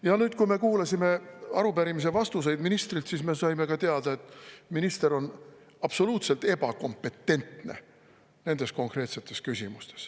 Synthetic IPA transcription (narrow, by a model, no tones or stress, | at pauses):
jɑnyːt̪kujme̞kuːlɑsʲime̞ɑ̰ɾupæɾimis̬e̞vɑst̪us̬e̞jd̪minist̪rilt̪sisme̞sɑjme̞kɑt̪e̞ɑd̪̥ɑe̞t̪ːˑminist̪e̞ɾo̞n | ɑpso̞luːt̪se̞lt̪e̞b̥ɑko̞mpːˑe̞t̪ːe̞nt̪ne̞̰ | ne̞nd̪̥e̞sko̞ŋkre̞ːt̪se̞t̪ːˑe̞skysʲimust̪e̞̥s